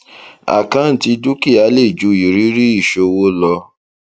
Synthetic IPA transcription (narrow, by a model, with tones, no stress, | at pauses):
a̰˨kã˦n̩˨ti˧du˦ki˦˨a˨˦le˦˨d͡ʒu˨˦i˨ɾi˦ɾi˦i˦˨ʃo˧wo˦lɔ˧